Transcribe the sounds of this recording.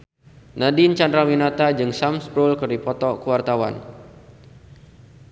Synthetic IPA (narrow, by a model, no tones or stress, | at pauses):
nadint͡ʃandɾawinat̪ad͡ʒɨŋsamspɾulkɨrdipɔt̪ɔkuwart̪awa̰n